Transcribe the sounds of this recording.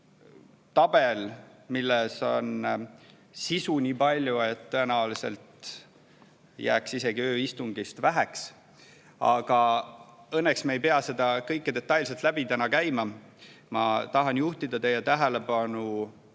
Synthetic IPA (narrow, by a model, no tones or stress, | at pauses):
t̪ɑb̥elmilːɛso̞n | sisunʲiːpɑlʲjue̞t̪ːɤenæolise̞̰lt̪ | jæ̰ːksise̞ɡiøːist̪uŋɡ̥ist̪væɦeks | ɑ̰ɡ̥ɑ | ɤnːeksmeejpeɑse̞d̪ɑkɤjkːˑed̪e̞t̪ːˑɑjls̬et̪læbit̪ænɑkæjmɑ | mɑt̪ɑɦɑnjuht̪id̪̥ɑt̪e̞jːet̪æɦele̞bɑnu